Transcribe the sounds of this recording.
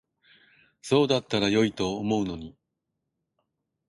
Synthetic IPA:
so̞ːd̪at̪ːaɾajo̞it̪o̞ːmo̞ɯ̟no̞ɲ̟i

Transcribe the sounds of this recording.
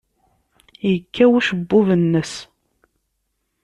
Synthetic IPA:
jəkʰːæwuʃəbːʊvənːəs

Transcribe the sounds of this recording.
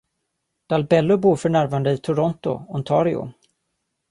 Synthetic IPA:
d̪̥albɛlːʊbuːɾfœɳæɾvand̪əit̪ʰʊɾɔnt̪ʊ̰ɔnt̪ʰɑːɾɪʊ̰

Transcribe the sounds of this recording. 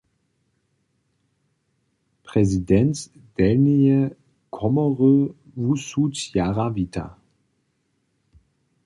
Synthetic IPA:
pʁ̥ɛzidɛnt | d̥ɛlniə | kʰɔmɔʁøvusutjaʁaviːtʰɐ̰

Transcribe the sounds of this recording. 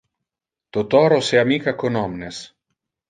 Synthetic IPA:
t̪ot̪ɔɾoseamikakonɔmnes

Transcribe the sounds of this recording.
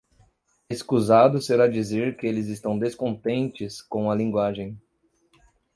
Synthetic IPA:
eskuzad̪ʊseɾad͡ʒizeɾkɪelɪzɪst̪ɐ̃w̃d̪eskõnt̪ẽnt͡ʃɪskõw̃ɐlĩŋɡwaʒẽj̃

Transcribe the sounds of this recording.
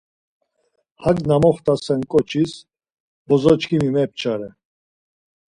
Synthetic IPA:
hakʼnamɔχt̪ʰʼasɛnkʼɔt͡ʃʰis | bɔzɔt͡ʃkʰimimɛp̚t͡ʃʰʼaɾɛ

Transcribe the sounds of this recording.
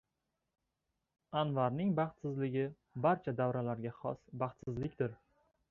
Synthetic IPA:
anvaɾnɪŋbɑχt̪sɪzlɪɡʲɪ | baɾt͡ʃʰad̪avɾalaɾɡʲaχɒ̰sbɑχt̪sɪzlɪkʲd̪ɪɾ

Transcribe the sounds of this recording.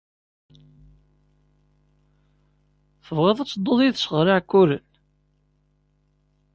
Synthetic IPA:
θəvʁeðˤæt͡sːd̪ˤːoðˤjiðsəʁɾɪʕkːuɾən

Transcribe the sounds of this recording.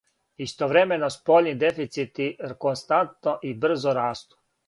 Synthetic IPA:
ist̪oʋɾemenospolʲnid̪efit̪sit̪ikonst̪ant̪noʔibr̩zoɾaːst̪u̥

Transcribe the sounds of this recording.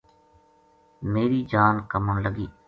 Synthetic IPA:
meːɾiːd͡ʒaːnkəməɳləɡiː

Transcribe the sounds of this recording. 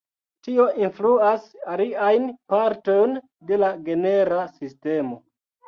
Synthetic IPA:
tio̞ʔinfluasaliajnpaɾto̞jn | de̞laɡe̞ne̞ɾasiste̞mo̞

